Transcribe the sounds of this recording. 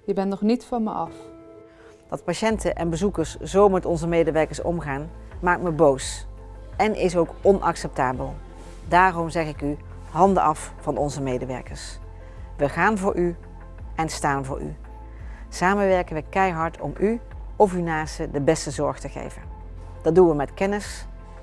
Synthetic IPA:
jəbɛnnɔχnitfɑnmə̰ɑf | d̥ɑtpaʃɛntəʔɛnbəzukəɹsz̥owmɛtɔnzəmejdəʋɛɹkəɹsɔ̰mχaːnmaːk̚tməbows | ɛnʔɪs̬owkɔnʔɑ̰ksɛp̚taːbəlˠ | daːrɔmzɛχɪky | ɦɑndəɑf | fɑnɔnzəmejdəʋɛ̰ɹkəɹs | ʋəχaːnvʊːɹʔy | ɛnstaːnvʊ̰ːɹy̰ | saːmənʋɛɹkənʋəkɛjɦɑɹtʰɔ̰mʔyɔfynaːstədəbɛstəzɔɹχtəχḛjvən | d̥ɑd̚dunʋəmɛtkɛnəs

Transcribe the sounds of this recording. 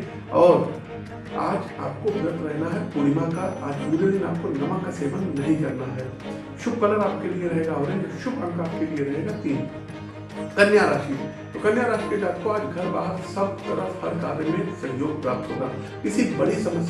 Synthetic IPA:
ɔːɾ | aːd͡ʒa̰ːpkoɦɐɾət̪ɾɛɦnaɦɛpʊɽɪmãkaaːd͡ʒbuːɾed̪ɪna̰ːp̚konɐmãkaseːʋənnɐɦĩkɐɾnaɦɛː | ʃʊb̚kɐnəɽaːp̚kelieɾɐɦeːɡaɦoːɾẽnɐʃʊb̚kɐnəɾaːp̚kelieɾɐɦeːɡat̪iːn | kɐnjaɾaːʃit̪okɐnjaːɾaːʃiked͡ʒaːt̪koaːd͡ʒɡʱɐɾbaːɦəɾsɐb̚ɔːɾɐhɐɾka̰ːɾemẽsɐ̃ɲd͡ʒoːɡ̚pɾaːp̚t̪ɦoːɡaː | ɪsibɐɽisɐməs

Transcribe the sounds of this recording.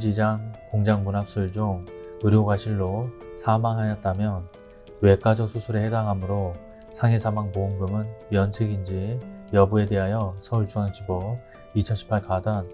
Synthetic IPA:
d͡ʑid͡ʑaŋkoŋd͡ʑaŋmunap̚s͈ɯɭd͡ʑuŋɯɾjoɡaɕʰiɭːosʰamaŋɦajʌt̚t͈amjʌn | we̞k͈ad͡ʑok̚sʰusʰuɾehedaŋɦamɯɾo | sʰaŋɦesʰamaŋpouŋɡɯmɯnjʌnsʰeɡind͡ʑijʌbue̞de̞ɦajʌsʰʌuɭt͡ɕʰuaŋt͡ɕibʌ | it͡ɕʰʌnɕʰi̥pʰaɭkadan

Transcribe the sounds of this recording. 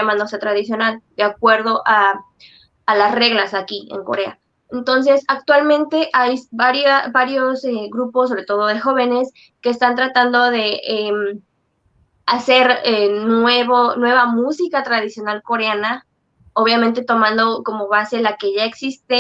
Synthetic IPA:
amãnd̪osat̪ɾaðisjo̞nald̪eakwe̞ɾðo̞ʔaː | lasre̞ɣlasakiḛŋko̞̰ɾe̞a̰ | ent̪o̞ns̬e̞sak̚t̪walmẽnt̪e̞ʔajbaɾjabaɾjoseɣɾuposːo̞βɾe̞t̪o̞ð̞o̞ðe̞xo̞β̞e̞ne̞s | ke̞ːst̪ant̪ɾat̪and̪o̞ðe̞em | ase̞ɾeneβonwe̞β̞amusikat̪ɾaðisjonalko̞ɾeana | o̞β̞jamẽnt̪e̞t̪o̞mãnd̪oko̞mo̞βase̞lake̞ʝae̞ksist̪e

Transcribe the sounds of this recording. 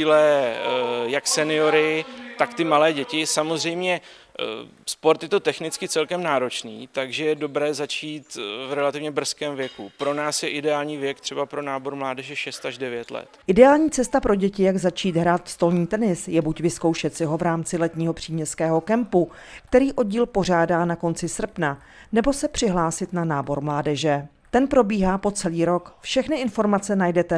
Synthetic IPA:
ilɛ | jaksɛnɪo̞ɾɪt̪akt̪ɪmalɛːɟɛcɪsamozr̝ɛjmɲɛ | spo̞ɾt̪jɛt̪o̞t̪ɛxnɪt͡skɪt͡sɛlkɛmnaːɾo̞t͡ʃniːt̪aɡʒɛjɛdo̞bɾɛːzat͡ʃiːt̪vɾɛlat̪ɪvɲɛbr̩skɛːmvjɛkupɾo̞naːsjɛʔɪdɛaːlɲiːvjɛkt̪r̥ɛbapɾo̞naːboɾmlaːdɛʒɛʃɛst̪aʒdɛvjɛt̪lɛ̰t̪ʔɪdɛaːlɲiːt͡sɛst̪apɾo̞ɟɛcɪjaɡzat͡ʃiːt̪ɦɾaːt̪st̪o̞lɲiːt̪ɛnɪsjɛbucvɪsko̞wʃɛt̪sɪɦovɾaːmt͡sɪlɛt̪ɲiːɦo̞pr̝̥iːmɲɛskɛːɦo̞kɛmpu | k̚t̪ɛɾiːʔo̞ɟiːlpo̞r̝aːdaːnako̞nt͡sɪsr̩pna | nɛbo̞sɛpr̝̥ɪɦlaːsɪt̪nanaːbo̞ɾmlaːdɛʒɛ | t̪ɛnpɾo̞biːɦaːpo̞t͡sɛliːɾo̞kfʃɛxnɪʔɪnfo̞ɾmat͡sɛnajdɛt̪ɛ

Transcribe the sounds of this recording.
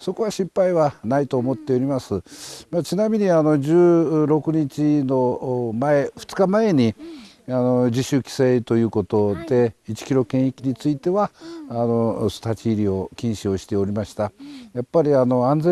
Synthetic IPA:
so̞ko̞βaɕĩmpaiβanait̪o̞ːmo̞t̪ːe̞oɾʲimasɨmat͡ɕinamʲiɲ̟iano̞d͡ʑɨːɾo̞kɯ̟ɲ̟it͡ɕino̞mae̞ɸɯ̥t͡sɨ̥kamae̞ɲ̟i | ano̞d͡ʑiɕɨkʲi̥set̪o̞jɯ̟ːko̞t̪o̞d̪e̞it͡ɕi̥kʲiɾo̞kẽ̞ɰ̃ekʲiɲ̟it͡sɨit̪e̞βaːno̞st̪at͡ɕiːɾʲio̞kʲĩɰ̃ɕioɕi̥t̪e̞o̞ɾʲimaɕi̥t̪ajapːaɾʲiano̞ãnd͡ze

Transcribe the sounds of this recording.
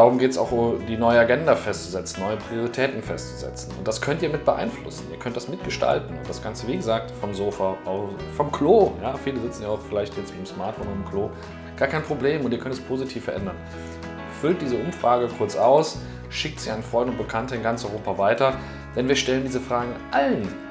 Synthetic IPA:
d̥aːʁʊmɡeːtsa̰ʊxʊmd̥iːnɔʏəaɡɛndafɛstt͡suzɛt͡sn̩nːɔʏəpʁ̥ioʁitʰɛːtn̩fɛstt͡suzɛ̰t͡sn̩ʊ̰nt̚d̥askʰœntiːɐmɪt̚b̥əʔa̰ɪnflʊ̰sn̩iːɐkʰœnt̚d̥asmɪt̚ɡ̥əʃta̰ltn̩ʊ̰nd̥asɡ̥ant͡səviːɡəzaːk̚tfɔmzoːfaʔaʊfɔmkʰloːjaːfiːləzɪt͡sn̩jaʊfɪlaɪçtjɛt͡stb̥aɪmsmaɐtfoːnʊnɪmkʰloː | ɡ̥aːɐkʰaɪnpʁ̥obleːmʊntʔiːkœntɛspʰoːzitʰiːfɛɐʔɛndɐn | fʏlt̚d̥iːzəʔʊmfʁ̥aːɡəkʰʊɐt͡sʔaʊs | ʃɪk̚tz̥iːaɪnənfʁ̥ɔʏndəʊnt̚b̥əkʰantəɪnɡant͡sʔɔʏʁoːpavaɪtɐ | d̥ɛnviːɐʃtɛləndiːzəfʁ̥aːɡŋ̩ʔalən

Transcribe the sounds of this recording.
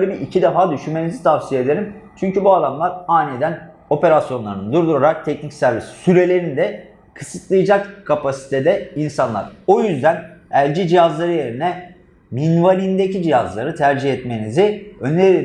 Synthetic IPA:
ølʲibiʔicʰid̪efaːd̪yʃynme̞nizit̪ʰavsijed̪e̞ɾim | t͡ʃʰyɲcybuad̪amlˠaɾaːnʲed̪æn | o̞pe̞ɾasjo̞nlˠaɾɯnɯd̪uɾd̪uɾoɾak̚t̪ʰɛcnicsæɾvisi̥syɾe̞lʲe̞ɾinid̪ɛ | kʰɯsɯt̪lˠɯjɯd͡ʒakkʰːapasi̥t̪ʰe̞d̪ɛinsanlˠaɾo̞jyzd̪ænælʲd͡ʒid͡ʒijazlˠaɾɯje̞ɾinɛ | minvalʲind̪ecʰid͡ʒijazlˠaɾɯt̪ʰæɾd͡ʒihɛt̪me̞niziøne

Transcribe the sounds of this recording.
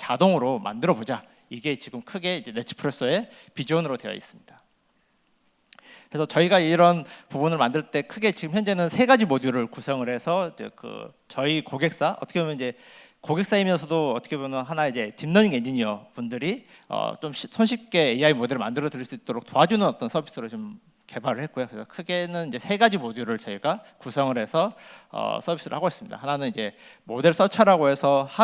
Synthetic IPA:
t͡ɕadoŋɯɾoma̰ndɯɾʌbod͡ʑa | iɡe̞t͡ɕiɡɯmkʰɯɡe̞id͡ʑe̞net͡ɕʰɯ̥pʰɯɾes͈ʰʌe̞ | pid͡ʑionɯɾodwe̞jʌ̰ḭs͈ɯmɲid̥a | kɯɾe̞sʰʌt͡ɕʌiɡaiɾʌnpubunɯɭmandɯɭt͈e̞kʰɯɡe̞t͡ɕiɡɯmçjʌnd͡ʑe̞nɯnsʰe̞ɡad͡ʑimoduɾɯɭkusʰʌŋɯɾe̞sʰʌid͡ʑe̞̰kɯ̰ | t͡ɕʌikoɡek̚s͈aʌt͈ʰʌkʰeomjʌnid͡ʑe̞ | koɡe̞k̚s͈aimjʌnsʰʌdoʌt͈ʰʌkʰebomjʌnɦanaid͡ʑe̞timnʌɲiŋɡe̞ɲiɲiʌpundɯɾiʌ̰t͡ɕomɕʰsʰonɕʰip̚k͈e̞ːiaimodeɾɭmandɯɾʌdɯɾiɭs͈uit͈̚oɾok̚t͈oɦad͡ʑunɯnʌt͈ʌnsʰʌbi̥s͈ʰɯɾot͡ɕom | ke̞baɾɯɭhe̞t̚k͈ojokɯesʰʌkʰɯɡe̞nɯnid͡ʑe̞sʰe̞ɡad͡ʑimoduɾɯɭt͡ɕʌiɡakusʰʌŋɯɾɦe̞sʰʌʌ̰sʰʌbʱis͈ɯɾɯɭhaɡois͈ɯmɲid̥a̰hananɯnid͡ʑe̞ | mode̞ɭs͈ʌt͡ɕʰaɾaɡoɦe̞sʰʌha

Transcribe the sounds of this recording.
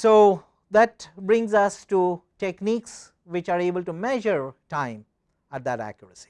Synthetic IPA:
soː | d̪æʈbɾɪ̃ŋzʌsʈuʈekniːks | ʋɪt͡ʃaːɾeːbəlʈumɛʒəɾʈãɪ̃m | æʈ̚d̪æʈæ̰kjəɾəsi̥

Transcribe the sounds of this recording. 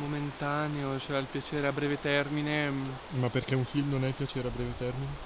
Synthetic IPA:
moment̪aːneot͡ʃɛɾailpjat͡ʃeːɾeabːɾɛːvet̪ɛrmine | mapːerk̟euɱfilmnonɛpːjat͡ʃeːɾeabɾɛːvet̪ɛrmine

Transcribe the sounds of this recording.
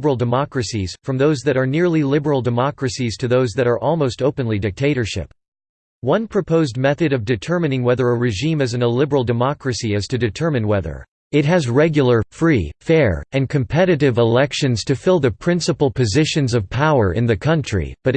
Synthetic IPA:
bə˞l̩ˠdɨmɑkɹɨsiz̥fɹʌ̃mðoʊzðɨɾə˞nɪɹlilɪbə˞l̩ˠdɨmɑkɹɨsiz̥tʰɨðoʊzðɨɾə˞ʔɔlˠmoʊstoʊpɨ̃nlidɨk̚tʰeɪɾə˞ʃɪ̰p | wʌ̃npʰɹ̥ɨpʰoʊzd̚mɛθɨɾʌvdɨtʰɜ˞mɨ̃nɪ̃ŋwɛðə˞əɹɨʒĩmɨzɨ̃n̩əlɪbə˞l̩ˠdɨmɑkɹɨsiɨz̥tʰɨdɨtʰɜ˞mɨ̃nwɛðə̰˞ | ɨt̚ɦɨzɹɛɡjl̩ˠə˞fɹifɛɹɨ̃nkʰɨ̃mpʰɛɾɨɾɨvəlɛkʃɨ̃nz̥tʰɨfɪlˠðɨpʰɹ̥ɪ̃nsəpl̩ˠpʰɨzɪʃɨ̃nzʌv̥pʰaʊə˞ʔɪ̰̃nðɨkʰʌ̃nt͡ʃɹ̥ḭb̥ʌɾ

